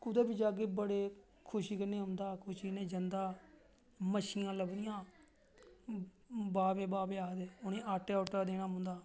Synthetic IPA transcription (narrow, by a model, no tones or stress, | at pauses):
kʊd̪eːbid͡ʒaːɡeːbəɽeː | kʰʊʃiːkənẽːɦʊ̃nd̪aːkʰʊʃiːneːd͡ʒənd̪aː | məʃɪːãːləbd̪ɪjãː | baːbeːbaːbeːaːd̪eːʊneːaːʈːeːʈaːd̪eːɽ̃aːɦʊ̃nd̪aː